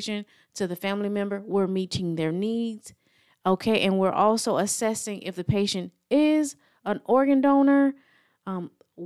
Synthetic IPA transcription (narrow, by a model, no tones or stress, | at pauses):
ʃɨ̃n | tʰɨðɨfæ̃mlimɛ̃mbə˞wɪɹmiɾɪ̃ŋðə˞nidz̥ | oʊkʰeɪʔɨ̃nwɪɹʔɔlˠsoʊəsɛsɪ̃ŋʔɪ̰fðɨpʰeɪʃɨ̃nt | ɪz | ə̃nɔɹɡɨ̃ndõʊ̃nə˞